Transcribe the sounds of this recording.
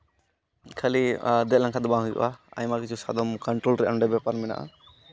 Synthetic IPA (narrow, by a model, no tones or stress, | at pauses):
kʰalid̪ɛlãŋkʰad̪ɔbaɦujd͡ʒɔ̰ʔaa̰jmakit͡ʃʰusad̪ɔmkɔɳʈɾolɾɛʔanɖɛbɛpaɾmɛna̰ʔa̰